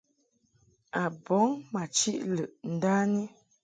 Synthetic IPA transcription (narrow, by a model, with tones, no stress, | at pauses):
a˨bɔ˨˦ŋma˨t͡ʃi˦ʔlə˨ʔn̩˨˦da˦ni˦